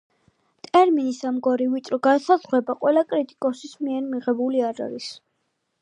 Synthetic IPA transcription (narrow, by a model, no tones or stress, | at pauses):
t̪ʼɛɾminisamɡɔɾivit͡ʃ̪ʼɾɔɡasazʁwɛbaqʼwɛlakʼɾit̪ʼi̥kʼɔsismiɛɾmiʁɛbuliaɾa̰ɾis